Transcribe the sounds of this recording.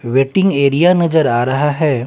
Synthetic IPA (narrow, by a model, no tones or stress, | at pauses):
ʋeːʈɪ̃ŋɡeːɾijanɐd͡ʒəɾaːɾɐɦaɦɛː